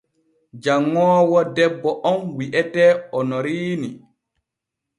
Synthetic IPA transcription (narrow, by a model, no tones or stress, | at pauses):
d͡ʒaŋːɔːwɔdɛbːɔʔɔnwiʔɛtɛɔnɔɾiːni